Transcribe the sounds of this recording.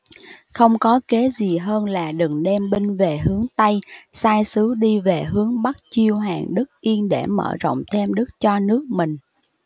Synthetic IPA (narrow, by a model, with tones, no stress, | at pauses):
xə˧wŋ͡mkɔ˨˦ke˨˦zi˨˩ɦəː˧nlaː˨˩ɗɨ˨˩ŋɗɛ˧mɓi˧ŋve˨˩ɦɨ˨˦əŋt̪a˧jsaː˧jsɨ˨˦ɗi˧ve˨˩ɦɨ˨˦əŋɓa˦˥t̚t͡ɕi˧əwɦaː˨˩ŋɗɨ˦˥k̚ʔi˧ənɗe˧˩mə̰ː˧˨zɔ̰˧˨wŋ͡mt̪ʰe˧mɗɨ˦˥k̚t͡ɕɔ˧nɨ˦˥ək̚mï˨˩ŋ̟